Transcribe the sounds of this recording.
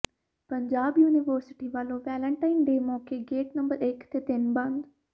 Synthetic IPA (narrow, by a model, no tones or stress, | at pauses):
pəɲd͡ʒaːbjuːnɪʋəɾsɪ̥ʈiːʋaːlõːʋɛːlə̃ɳʈaːɪnɖeːmɔːkeːɡeːʈnəmbəɾɪkt̪eːt̪ɪnbə̃nd̪